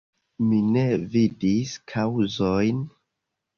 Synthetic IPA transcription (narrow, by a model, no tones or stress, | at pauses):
mine̞vidiskʰawzojn